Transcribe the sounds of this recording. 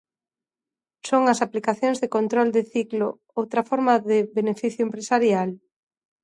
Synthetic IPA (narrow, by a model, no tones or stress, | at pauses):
soŋɐsaplikaθjoŋzðekont̪ɾold̪ɪθiklo | owt̪ɾɐfɔɾmaðɪbenefiθjʊempɾesaɾjal